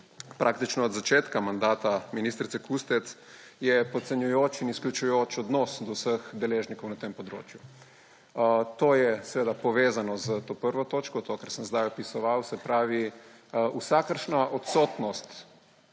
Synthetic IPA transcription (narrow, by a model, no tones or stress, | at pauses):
pɾʔak̚t̪it͡ʃnɔːd̪zat͡ʃeːt̪kamand̪aːt̪aminist̪ɾit̪sɛkust̪ɛt̪s | jɛpɔt̪sɛnjujoːt͡ʃinisklʲut͡ʃujoːt͡ʃɔd̪nɔːsd̪ɔwsəxd̪ɛleːʒnikɔwnat̪empɔd̪ɾo̰ːt͡ʃju | t̪oːjɛsɛʋeːd̪apɔʋeːzanɔzət̪oːpəɾʋɔt̪oːt͡ʃkɔt̪okəɾsəmzd̪ajɔpisɔʋawsɛpɾaːʋi | usakəɾʃnaʔɔt̪soːt̪nɔst̪